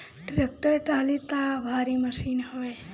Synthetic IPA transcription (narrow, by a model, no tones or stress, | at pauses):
ɖɾek̚ʈəɾʈalit̪abʱaɾiməʃinɦoj